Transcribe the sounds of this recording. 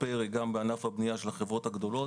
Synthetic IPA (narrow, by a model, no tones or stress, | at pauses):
peʁiɡambeanafhabnijaʃelaχevʁo̞t̪haɡd̪o̞lo̞t